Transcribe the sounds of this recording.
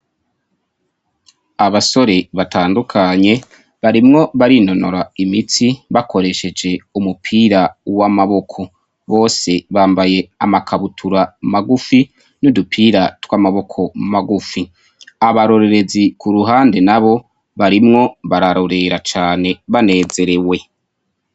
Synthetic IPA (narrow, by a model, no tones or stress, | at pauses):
aβaso̞ɾe̞βatʰaːndukʰaɲe̞ | βaɾimŋo̞βaɾino̞noɾaimit͡siβakʰo̞ɾe̞ʃe̞d͡ʒe̞umupʰiːɾawamaβo̞kʰo̞ | βo̞ːse̞βaːmbaje̞amakʰaβutʰuɾamaɡufi | nudupʰiːɾatwamaβo̞kʰo̞maɡufi | aβaɾo̞ɾe̞ɾe̞zikuɾuɦaːnde̞naβo̞ | βaɾimŋo̞βaɾaɾo̞ɾe̞ɾat͡ʃaːne̞βane̞ːze̞ɾe̞we̞